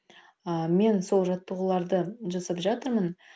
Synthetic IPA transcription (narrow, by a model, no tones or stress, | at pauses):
əme̞nso̞lˠʒɑt̪ːəʁəlˠɑɾd̪əʒɑsəpʒɑt̪əɾmən